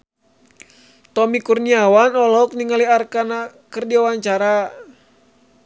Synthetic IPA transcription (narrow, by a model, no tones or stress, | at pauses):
t̪ɔmikurniawanɔlɔk̚niŋaliarkana | kɨrdiwawaɲt͡ʃaɾa